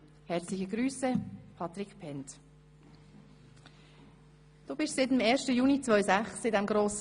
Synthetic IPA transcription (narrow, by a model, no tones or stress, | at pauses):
hɛɾt͡slɪçəɡɾyːsəpʰɑt̪ɾɪkpʰɛnt̪ | d̪̥oːbɪʃsɪtɪmɛːʃtəjuːnit͡sʋœʏsæχsɪdɛmɡɾoːs